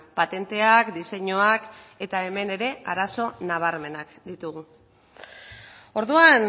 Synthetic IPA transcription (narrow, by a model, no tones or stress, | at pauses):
pat̪e̞nt̪e̞akd̪ise̞ɲoake̞t̪ae̞me̞ne̞ɾe̞ʔaɾaso̞naβ̞aɾme̞nakd̪it̪uɣu | o̞ɾðuan